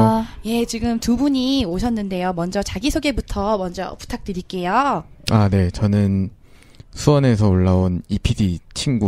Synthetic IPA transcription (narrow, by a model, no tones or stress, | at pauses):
je̞t͡ɕiɡɯmtubuɲioɕʰʌnːɯnde̞jomʌnd͡ʑʌt͡ɕaɡisʰoɡe̞butʰʌmʌnd͡ʑʌ̰pu̥tʰak̚t͈ɯɾik͈e̞joane̞t͡ɕʌnɯn | sʰuwʌne̞sʰʌoɭːaonipʰidit͡ɕʰinɡu